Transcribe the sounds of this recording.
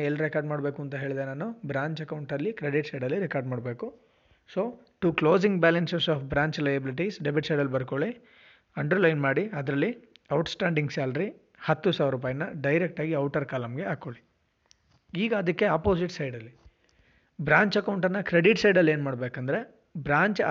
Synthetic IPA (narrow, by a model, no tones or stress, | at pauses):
elːɾekaːɾɖmaːɽbe̞ːkuɐnt̪ɐɦe̞ːɭid̪enaːnubɾaːɲt͡ʃɐkɐwɳʈɐlːikɾeɖiʈsɐjɖɐlːiɾekaːɾɖmaːɽbe̞ːku | soː | ʈukloːd͡ʒiŋɡbaːlɐnsesaːfbɾaːɲt͡ʃlɐjɐbiliʈ̬isɖebiʈsɐjɖɐlbɐɾkoɭi | ɐɳɖɐɾlɐjnmaːɽiɐd̪ɾɐlːiɐwʈsʈaːɳɖiŋɡsaːlɐɾi | hɐt̪ːusaːʋɐɾːup̬aːjɐnːɐɖɐjɾek̚ʈaːɡiɐwʈɐɾkaːlɐmɡeaːkoɭi | iːɡɐd̪ɐkːeaːpoːsiʈsɐjɖɐlːi | bɾaːɲt͡ʃɐkɐwɳʈɐnːɐkɾeɖiʈsɐjɖɐlːe̞ːnmaːɽbeːkɐnd̪ɐɾe̞ | bɾaːɲt͡ʃ